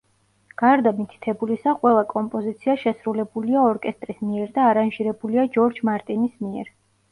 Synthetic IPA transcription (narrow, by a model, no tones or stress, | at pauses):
ɡ̥aɾd̪amit̪ʰi̥t̪ʰɛbulisaqʼwɛlˠakʼɔmpʼɔzit̪sʰiaʃɛsɾulɛbuliaɔɾkʼɛst̪ʼɾismiɛɾd̪aːɾanʒiɾɛbuliad͡ʒɔɾd͡ʒmaɾt̪ʼinismiɛɾ